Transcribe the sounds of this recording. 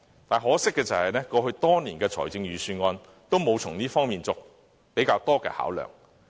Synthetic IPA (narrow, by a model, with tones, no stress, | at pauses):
t̪aː˨˩nɦɔː˨˥sɪ˥kːɛː˧t͡sɐ˨˩hɐ˨jnɛː˥kɔː˧hɵ˧ɥt̪ɔː˥niː˨˩nkɛː˧t͡sʰɔ̰ː˨˩jt͡sɪ˧ŋjyː˨syː˧nŋɔː˧n | t̪o˥wmo˨˧wt͡sʰʊ˨˩ŋniː˥fɔː˥ŋmiː˨˩nt͡sʊ˨k̚ | pe˨˥jkaː˧wt̪ɔː˥kɛ̰ː˧ha̰ː˨˥wlœ̰ː˨ŋ